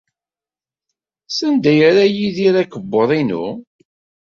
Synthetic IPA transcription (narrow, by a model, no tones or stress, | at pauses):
sænd̪æjəɾæjiðiɾækəbːoðˤinṵ